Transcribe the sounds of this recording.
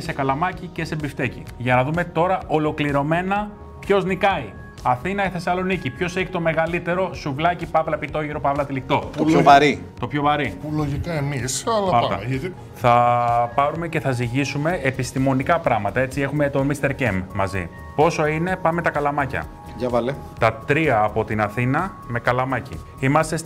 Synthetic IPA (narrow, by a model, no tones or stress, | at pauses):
se̞kɐlɐmɐcice̞se̞bift̪e̞cḭʝɐnɐðume̞t̪o̞ɾɐʔo̞lo̞kliɾo̞me̞nɐ | pço̞znikɐi | ɐθinɐiθe̞sɐlo̞nicipço̞se̞çi̥t̪o̞me̞ɣɐlit̪e̞ɾo̞suvlɐcipɐvlɐpit̪o̞ʝiɾo̞pɐvlɐt̪ilik̚t̪o̞t̪oɐɾi | t̪o̞pço̞vɐɾipuloʝikɐemisɐlɐmɐɾt̪ɐ̰ | θɐpɐɾume̞ce̞θɐziʝisume̞epist̪imo̞nikɐpɾɐɣmɐt̪ɐe̞t͡sie̞xumet̪o̞mist̪e̞ɾcemmɐzḭ | po̞so̞ine̞pɐme̞t̪ɐkɐlɐmɐcɐ̰ | ʝɐvɐlet̪ɐt̪ɾiɐːpo̞t̪inɐθinɐ | me̞kɐlɐmɐcḭ | imɐst̪e̞s